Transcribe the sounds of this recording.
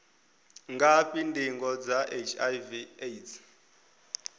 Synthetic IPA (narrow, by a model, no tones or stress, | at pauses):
ŋɡapʼindʱiŋɡɔd͡zaʔet͡ʃʰʼajvietʰ